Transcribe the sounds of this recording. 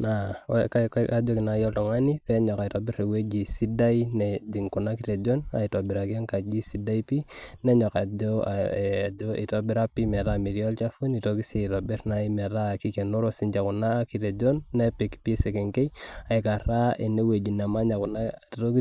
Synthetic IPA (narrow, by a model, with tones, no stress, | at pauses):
na˨kakka˨d͡ʒo˦kɪ˨na˨jɔ˦ltɔ˨ŋa˦ni˦pɛ˦ɲɔ˨ka˨i˨tɔ˨bɪ˦ɾe˨we˦d͡ʒi˨si˦da˦inɛ˨d͡ʒi˨ŋku˨na˦kite˨d͡ʒo˦na̰˨ito˨bɪ˨ɾa˨ka˦ŋka˨d͡ʒi˦si˦da˦i˦pi˦nɛ˦ɲɔ˨ka˨d͡ʒo˦˨ | d͡ʒo˦ḭ˨to˨bɪ˦ɾa˦pi˦mɛ˨ɾa˦mi˨ɾjɔ˦lt͡ʃa˦fu˦ni˨to˨ki˦se˨i˨tɔ˨bɪ˦ɾna˨i˦mɛ˨ta˦˨ki˦ke˨no˦ɾo˦si˨ɲt͡ʃa˨ku˨naː˦ki˨te˨d͡ʒo˦nːɛ˦pe˨kpi˦se˨ke˨ŋke˦ja˨i˨ka˨ɾa˦e˨ne˦we˨d͡ʒi˨na˨ma˦ɲa˨ku˨na˦to˦ki˦